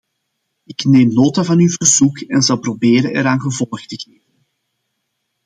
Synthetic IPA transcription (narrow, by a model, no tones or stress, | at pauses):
ɪkneːmnoːtavɑnyvərzukɛnzɑlˠprobeːɾənɛɾaːnɣəvɔlˠxtəɣeːvən